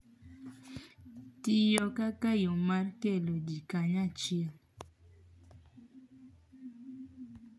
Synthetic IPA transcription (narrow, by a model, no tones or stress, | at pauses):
tɪjɔkakajomarkelodikaɲat͡ʃiɛl